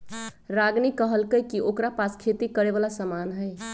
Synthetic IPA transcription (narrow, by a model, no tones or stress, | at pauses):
ɾaɡnikəɦəlkəjkiʔokɾapaskʰet̪ikəɾeβalasəmanɦəj